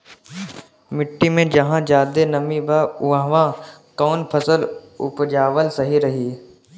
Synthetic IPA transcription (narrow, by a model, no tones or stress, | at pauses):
mɪʈːimẽd͡ʒɐɦãd͡ʒaːd̪enɐmibaʊãʋãkɔːnpʰəsəlʊ̰pd͡ʒaːʋəlsɐɦiɾɐɦiː